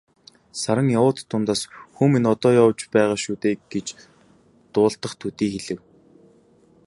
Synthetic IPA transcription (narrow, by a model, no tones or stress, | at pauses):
saɾə̆ŋjawʊːt̪ʰːʊnt̪aːsxuminɔt̪ɔːjɔwt͡ɕpæːʁaːʃuːt̪eːɡ̥et͡ɕ | t̪ʊːɬt̪ə̆χt̪ʰut̪iːxeɮɘ̆w